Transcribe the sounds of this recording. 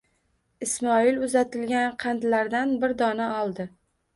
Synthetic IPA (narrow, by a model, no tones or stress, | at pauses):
ɪsmɒɪlʊzat̪ʰɪlɡʲanqʰɑnd̪laɾd̪anbɪɾd̪ɒnaɒlˠd̪ɪ